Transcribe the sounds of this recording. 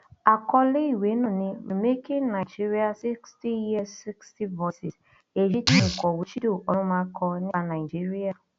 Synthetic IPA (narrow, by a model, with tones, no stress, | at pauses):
a˨kɔ˦lɪ˦i˨we˨˦nʊ˨nɪ˦m̩˨me˦ki˦ŋna˨i˨d͡ʒi˦ɾi˦a˨si˦ksti˦ji˦si˦ksti˦vɔ˦si˨s | e˨d͡ʒi˦ti˨ŋ̩˨kʷɔ˨wu˨t͡ʃi˦do˨ʔɔ˦ma˦kɔ˦nɪ˦na˨ɪ˨d͡ʒi˦ɾi˦a˨